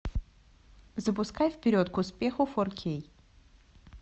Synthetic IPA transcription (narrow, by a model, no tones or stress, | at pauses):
zəpʊskajfpʲɪɾʲot̪kʊspʲe̞xʊfɔrkʲʰej